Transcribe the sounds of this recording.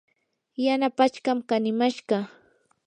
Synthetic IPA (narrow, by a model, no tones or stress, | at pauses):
janapat͡ʃkɑmkanɪmaʃɢɑ